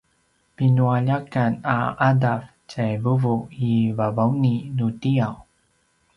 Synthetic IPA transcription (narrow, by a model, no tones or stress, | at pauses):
pinuaʎakana̰ʔadaf | t͡ɕajvuvuivavauninutiaw